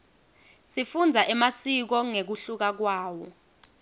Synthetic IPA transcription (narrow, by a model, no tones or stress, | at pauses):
sifund͡zʱaʔɛmasik̬ɔŋek̬uɬuk̬ak̬waːwɔ